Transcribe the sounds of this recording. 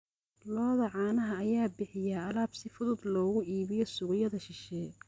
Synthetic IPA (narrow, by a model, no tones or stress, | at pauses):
lɔːðɐʕɑːnɐɦɐːjaːbɪħɪjaɐlaːbsɪfʊðʊd̪lɔːɣʊʔiːβɪjɔsʊɣjɐðɐʃɪʃɛː